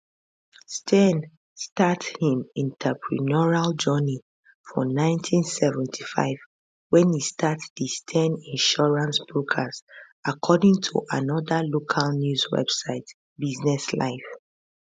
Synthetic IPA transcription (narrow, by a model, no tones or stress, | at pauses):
stʰɛ̃n | stathĩmĩntʰɛpʰɹḭnɔɹald͡ʒɔni | fɔ̰nãɪ̃ntʰĩnsɛvɛ̃ntʰi̥fa̰ɪv̥ | wɛ̃nhistatdistʰɛ̃nĩnʃɔɹãnsbɹokʰaz | akʰɔdĩŋtʰṵʔanɔðəlokʰalnjuzwɛ̰bsaɪt | biznɛsla̰ɪf